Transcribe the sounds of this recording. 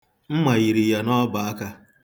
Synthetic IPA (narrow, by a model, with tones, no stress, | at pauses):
m̩˦ma˨ɣi˨ɾi˨ja˨nɔ˦ba˨a˦ka˦